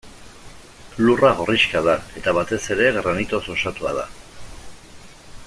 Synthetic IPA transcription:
luraɣo̞riʃkaðae̞t̪aβat̪e̞se̞ɾe̞ɣɾanit̪o̞so̞sat̪ua̰ð̞a̰

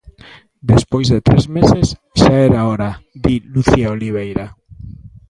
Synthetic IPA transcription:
d̪espojzðet̪ɾezmeses | ʃaɛɾaoɾad̪iluθiaoliβ̞ejɾa

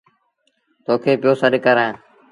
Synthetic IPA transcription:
t̪oːkʰeːpɪjoːsəɗɪkəɾãː

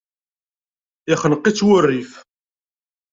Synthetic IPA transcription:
ɪχənəqːit͡sːwʊrːif

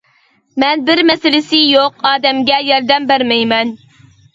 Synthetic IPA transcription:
mɛnbɪɾmɛsɪlɪsɪjoqɑːd̪ɛmɡʲɛjɑɾd̪ɛmbæɾmɛjmɛn

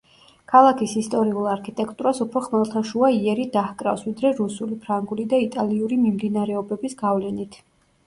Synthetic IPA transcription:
kʰalˠakʰisist̪ʼɔɾiulˠaɾkʰit̪ʼɛkʰʼt̪ʼuɾasupʰɾɔχmɛlˠt̪ʰaʃuaiɛɾid̪ahkʼɾa̰fsvid̪ɾɛɾusulipʰɾaŋɡulid̪ait̪ʼaliuɾimimd̪inaɾɛɔbɛbisɡavlɛnit̪ʰ

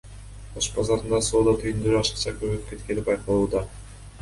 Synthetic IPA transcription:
oʃbɑzɑɾɯnd̪ɑso̞ːd̪ɑt̪ʰyjynd̪øɾyɑʃɨ̥qt͡ʃɑkøβøyp̚ke̞t̪ke̞nipbɑjqɑlˠuːd̪ɑ

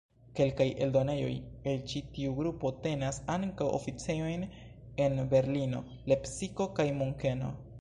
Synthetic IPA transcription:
ke̞lkaje̞̰ldo̞ne̞jo̞̰je̞lt͡ʃitiuɡɾupo̞te̞nasaŋkawʔo̰fit͡seo̞jn | e̞nbe̞ɾlino̞̰ | le̞psiko̞kajmuŋke̞no̞̰

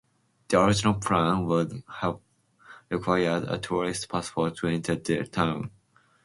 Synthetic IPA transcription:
ð̥iɔɹɪd͡ʒɪnəlˠpʰɹãnwʊdhæv | ɹɪkʰw̥aɪədə̰tʰuɹɪstpʰaspɔttʰuɛ̃ntʰəðətʰãʊ̃n

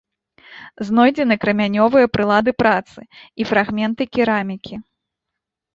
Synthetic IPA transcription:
znɔjd͡zʲɛnɐkɾɐmʲanʲɔvɨjɐpɾɨlˠad̪ɨpɾat̪sɨifɾaɣmʲɛn̪t̪ɨkʲiɾamʲikʲi

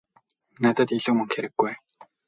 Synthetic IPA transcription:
nat̪ə̆t̪iɮŭːmɵŋxeɾɘ̆ɡːuj

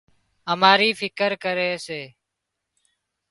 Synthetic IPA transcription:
ɦəmaːɾiːfʰɪkəɾkəɾeːseː

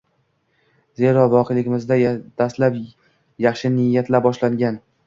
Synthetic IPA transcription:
ze̞ɾɒvɒqʰejlɪɡʲɪmɪzd̪ad̪aslap | jɑχʃɪnɪjːat̪ʰlabɒʃlaŋɡʲan

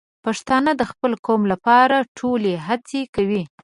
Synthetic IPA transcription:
paʂt̪ɑnəd̪əxpəlkomlapɑɾaʈʰoleɦat͡sekawi

